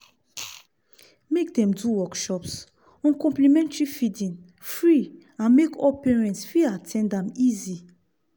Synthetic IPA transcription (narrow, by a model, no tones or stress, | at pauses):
mekdɛ̃mduwɔkʃɔps | ɔ̃nkɔ̃mplimɛ̃ntɹifidĩn | fɹi | ãnmekʰɔlpɛɹɛ̃ntsfiatʰɛ̃ndãmizi